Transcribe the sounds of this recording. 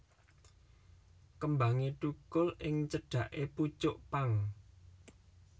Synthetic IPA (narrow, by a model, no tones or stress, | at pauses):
kəmbaŋiɖukʊlʔɪŋt͡ʃəɖ̥ä̤ʔeput͡ʃʊʔpaŋ